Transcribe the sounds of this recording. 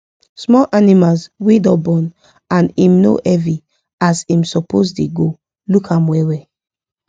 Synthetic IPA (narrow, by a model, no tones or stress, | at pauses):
smɔʔanimalswidɔbɔ̃n | ãnĩmno̰ʔɛvi | azĩmsɔpʰosdeɡo | lukʰãmwɛwɛ